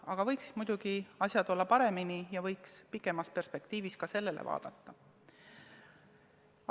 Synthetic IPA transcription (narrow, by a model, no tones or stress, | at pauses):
ɑɡ̥ɑvɤ̞jksi̥mud̪̥uɡ̥iɑsʲjɑd̪̥o̞lːɑpɑɾe̞minijɑvɤ̞jkspikːˑe̞mɑspe̞rspe̞kt̪iːviskɑse̞lːe̞lʔḛvɑ̰ːd̪̥ɑt̪ːɑ